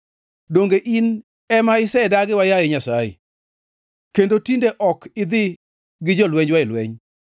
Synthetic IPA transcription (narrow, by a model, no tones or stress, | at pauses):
doŋɡeʔin | ɛmaɪsɛdaɡɪwajajɪɲasajɪ̰ | kendotindeʔɔkɪd̪ɪ | ɡɪd͡ʒɔlwɛɲwaɪlwɛ̰ɲ